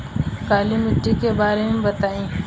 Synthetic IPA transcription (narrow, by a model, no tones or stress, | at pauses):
kaːlimɪʈːikebaːɾemẽbɐt̪aːĩː